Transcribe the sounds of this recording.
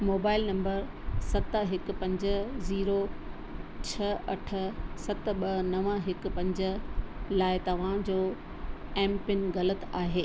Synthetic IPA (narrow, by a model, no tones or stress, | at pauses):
moːbaːɪlnɐ̃mbəɾ | sɐt̪əɦɪk̆pɐ̃ɲd͡ʑə̆ziːɾo | t͡ɕʰɐɐʈʰə̆sɐt̪̆ɓɐnɐʋəɦɪk̆pɐ̃ɲd͡ʑə̆laːɪt̪ɐʋ̤ãd͡ʑoː | ɛ̃ːmpɪnɣɐlət̪aːɦeː